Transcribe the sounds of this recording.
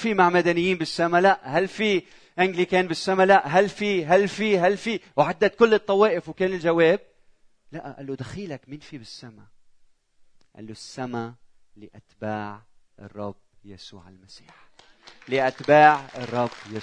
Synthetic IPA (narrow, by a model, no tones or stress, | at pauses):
fimaʕmad̪anɪjːiːnbɪsːamalaʔhalːfi | ʔaŋɡlikeːnbɪsːamalaʔɦalːfiɦalːfiɦalfiwʕad̪ːat̪̚kʊlːɨt̪ˤːɑweːʔɪfwkeːnɪlʒaweːb̚ | laʔʔa̰lːod̪axiːlakmɪnfibɪsːama | ʔa̰lːosːama | lɪʔat̪baːʕʔɨ̰rˤːɑbjasṵːʕɪ̰lmasi̥̰ːħlɪʔat̪baːʕɨrˤːɑbːja